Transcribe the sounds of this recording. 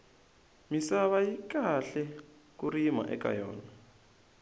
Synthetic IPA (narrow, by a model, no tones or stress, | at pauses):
misaβajikaɬɛ | k̬ʼuɾima̰ʔɛ̰ka̰jɔ̰ːna